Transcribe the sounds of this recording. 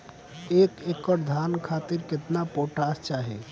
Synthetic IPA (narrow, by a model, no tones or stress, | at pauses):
ekekɔɾd̪ʱankʰat̪iɾket̪napoʈast͡ʃaɦḭ